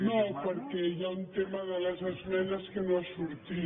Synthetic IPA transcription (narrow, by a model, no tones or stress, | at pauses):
nõpoɾkeʎaunt̪emaðalɛsazmɛnaskenõasuɾt̪i